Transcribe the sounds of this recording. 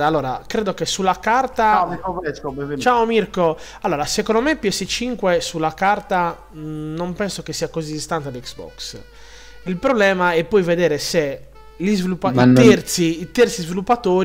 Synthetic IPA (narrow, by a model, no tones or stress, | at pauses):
alːɔːɾa̰kɾɛːd̪okesulːakart̪aioɛt͡ʃaːomirko | alːɔːɾasɛkɔnd̪omepiɛset͡ʃiŋkwesulːakart̪a | nompɛnsokesːiakozid̪ist̪ant̪ead̪ɛksbɔ̰ks | ilpɾɔblɛːmaɛpːɔjvɛd̪ɛːɾɛse | lizvilupːaiɛɾt̪siːt̪ɛrt̪sizvilupːat̪oːɾi